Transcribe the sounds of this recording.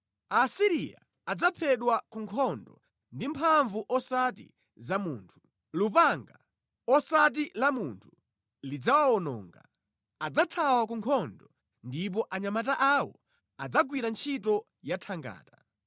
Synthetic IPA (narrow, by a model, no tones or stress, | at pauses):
asiɾija̰ːd͡zapʰɛɗwakuŋkʰɔndɔ̰ | ndimpʰaɱvuʔɔsatḭ | zamuːntʰu̥ | lupaŋɡa | ɔsat̬ilamuntʰu̥ | lid͡zawaɔnɔ̰ːŋɡa̰ | ad͡zatʰawakuŋkʰɔndɔ | ndip̬ɔʔaɲamataʔawɔ̰ | ad͡zaɡwiɾant͡ʃʰitɔ | jatʰaŋɡa̰ːta